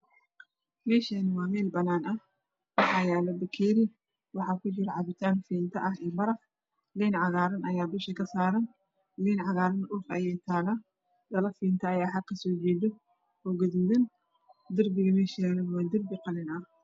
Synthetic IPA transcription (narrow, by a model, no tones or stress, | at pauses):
mɛːʃɐnɪwɑːmɛːlbɐnaːnɐh | wɑħɑːjaːlɐbɐkʰiːɾɪ | wɑħɑːkʰʊt͡ʃɪɾɐʕɑβɪt̪ʰaːnfiːnt̪ʰɐʔɐɦɛːbɐɾɐf | liːnʕɑɣaːɾɐnʔɐjaːbɪʃɪkʰɐsaːɾɐn | liːnʕɑɣaːɾɐnʊːfɐ̰jɛjt̪ʰaːɣa | d̪ɐlɐfiːnt̪ʰɐːjaːħɑkʰːɐsɔːt͡ʃɛːd̪ɔ | ɔːɡɐðuːðɐn | d̪ɐrbɪɣɐmɛʃialɐnwaːd̪ɐrbɪqɑlɪnɐh